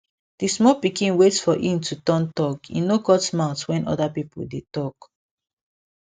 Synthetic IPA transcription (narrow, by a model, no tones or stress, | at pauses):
d̥ismɔpikĩnwetsfɔʔĩmtʰutɔ̃ntɔkḭnoɡɔtsmaʊtwɛ̃nʔɔ̰dapipo̰ldetɔk